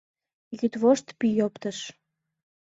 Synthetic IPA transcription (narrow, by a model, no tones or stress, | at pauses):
ɣyt̪βoʃt̪pijopt̪əʃ